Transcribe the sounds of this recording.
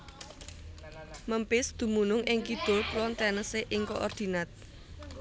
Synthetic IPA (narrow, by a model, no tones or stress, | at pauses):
məmpɪsd̪̥ṳmunʊŋʔɪŋkid̪̥o̤plɔnt̪ɛnəseʔɪŋkoʔɔrd̪̥i̤nat̪̚